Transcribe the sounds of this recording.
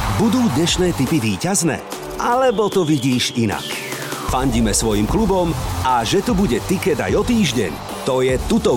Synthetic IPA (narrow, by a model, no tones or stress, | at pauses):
bud̪uːd̪ɲɛʃnɛːt̪ipiʋiːcaznɛ̰ː | ʔalɛbɔt̪ɔʋiɟiːʃina̰k | faɲɟimɛsʋɔjimklubɔmaʒɛt̪ubuɟɛt̪ikɛd̪a̰jɔt̪iːʒɟɛ̰ɲ | t̪ɔjɛt̪ut̪ɔ